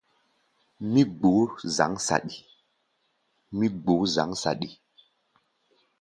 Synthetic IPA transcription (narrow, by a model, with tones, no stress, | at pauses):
mi˦ɡ͡bo˨˦za̰˨˦ŋsa̰˨ɗi˨ | mi˦ɡ͡bo˨˦za̰˨˦ŋsa̰˨ɗi˨